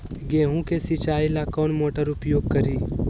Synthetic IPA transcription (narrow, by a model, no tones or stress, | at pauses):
ɡeːɦũkesɪt͡ʃaːilakɔːnmoːʈəɾʊpjoːɡ̚kəɾiː